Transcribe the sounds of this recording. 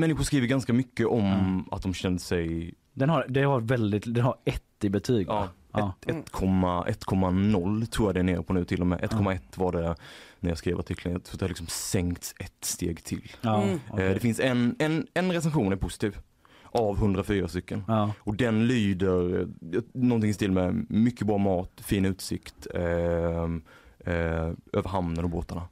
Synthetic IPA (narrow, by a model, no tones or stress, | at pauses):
mɛnːɪɧʊɾʂkɾiːvəɾɡanskamʏkːəʔɔmat̪̚d̪ɔmɕɛnd̪əsɛj | d̪ɛnaɾd̪ɛhaɾvɛld̪ɪt̪d̪ɛnhaɾɛt̪ːɪbɛt̪ʰyːɡɑː | ɛt̪ːkʰɔmːaʔɛt̪ːkʰɔmːanɔlːt̪ʰɾuːɾjad̪ɛæneːɾəpʰɔnʉ̟ːt̪ʰɪlːɔmɛ̰ːʔɛt̪kʰɔmːaɛt̪ːvaɖɛnæɾjɑskɾiːvəɾaʈʰɪkʰlənjat̪ʰɾuːat̪ɛhalɪksɔmsɛŋkt̪sɛt̪st̪eːɡt̪ʰɪ̰lː | d̪ɛfɪnsɛnɛnɛnɾɛsɛnɧuːnæɾpʰʊsɪ̥t̪ʰiːv | ʔavɦɵnd̪ɾafyːɾast̪ʏkːənɔd̪ɛnlyːd̪əɾjnɔnt̪ɪŋɪst̪ɪlmɛmʏkːəbɾɑːmɑːt̪fiːnʉ̟ːt̪sɪkt̪ | øːvəɾɦamnənɔboːt̪aɳa